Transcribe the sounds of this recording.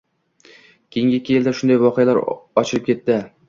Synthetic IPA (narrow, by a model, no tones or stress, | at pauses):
kʲʰejɪŋɡʲekʲʰːejeld̪aʃʊnd̪ajvɒqʰɨjalaɾɒt͡ʃʰɪlɪp̚kʲʰe̞t̪ːɪ